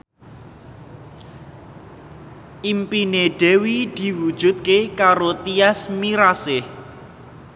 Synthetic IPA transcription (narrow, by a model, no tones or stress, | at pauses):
ʔimpineɖ̥e̤wid̪̥i̤wud̥ʒ̥ṳt̪̚kekaɾot̪iasmiɾasɪh